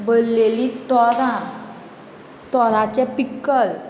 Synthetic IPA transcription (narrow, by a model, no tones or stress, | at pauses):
bollelit̪ɔɾã | t̪ɔɾat͡ɕɛpikːəl